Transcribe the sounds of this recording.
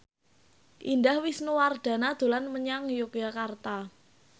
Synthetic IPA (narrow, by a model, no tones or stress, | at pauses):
ʔindahwisnuward̪̥a̤nad̪̥o̤lanməɲaŋjokjakart̪a